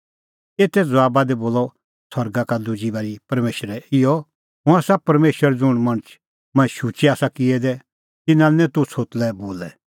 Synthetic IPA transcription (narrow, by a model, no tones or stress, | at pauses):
eːt̪ʰɛd͡zɐʋaːbad̪ɛboːlɔ | sɐɾɡakad̪ʊd͡ʒibaɾipɐɾmeːʃɾɛɪjɔ | ɦʊ̃aːsapɐɾmeːʃəɾɛd͡zʊɽ̃mɐɽ̃ət͡ʃʰ | mɐ̃ʃuːt͡ʃiaːsakɪɛd̪ɛ | t̪ɪnãɛnɛ̃t̪ʊt͡sʰoːt̪lɛboːlɛ